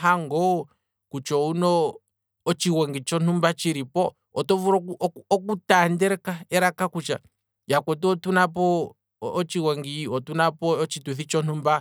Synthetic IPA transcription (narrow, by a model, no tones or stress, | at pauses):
ɦaŋɡɔ | kut͡ʃɔunɔː | t͡ʃiwɛŋɡit͡ʃɔn̥umbat͡ʃiɾipɔ | ɔtɔvuɾɔkuʔɔkutandɛɾɛkaɛɾakakut͡ʃa̰ | jakwɛt̬uɔtunap̬ɔː | t͡ʃiwɛŋɡiɔtunapɔɔt͡ʃitwiθit͡ʃɔn̥umba